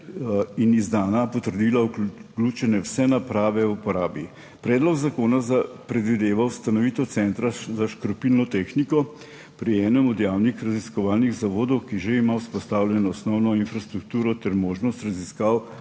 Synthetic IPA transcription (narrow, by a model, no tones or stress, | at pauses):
inizd̪aːnapɔt̪əɾd̪iːlakluːt͡ʃɛnɛwsɛnapɾaːʋɛupɔɾaːbi | pɾɛːd̪lɔɡzakoːnazapɾɛd̪ʋid̪eːʋawst̪anɔʋiːt̪ɔt̪sɛnt̪ɾazaʃkɾɔpilnɔt̪exnikɔ | pɾiɛːnɛmɔd̪jaːwnixɾaziskɔʋaːlniɣzaʋoːd̪ɔwkiʒeimawspɔst̪awljɛnɔɔsnɔwnɔinfɾast̪ɾuk̚t̪uːɾɔt̪ɛɾmoːʒnɔst̪ɾaziskaw